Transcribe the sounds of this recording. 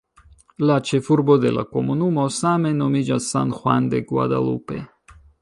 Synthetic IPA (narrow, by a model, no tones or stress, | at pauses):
lat͡ʃefuɾbod̪ḛla̰komonumosamenomid͡ʒasa̰nxwand̪eɡwa̰d̪a̰lṵpḛ